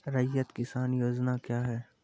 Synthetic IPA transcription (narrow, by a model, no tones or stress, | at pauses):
ɾɐjːət̪kɪsaːnjoːd͡ʒnakjaːɦɛː